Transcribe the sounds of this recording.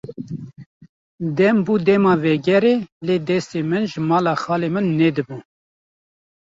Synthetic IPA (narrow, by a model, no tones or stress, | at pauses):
d̪ɛmbuːd̪ɛmɑːvɛɡɛɾeːleːd̪ɛst̪eːmɨnʒəmɑːlɑːxɑːleːmɨnːɛd̪ɨbu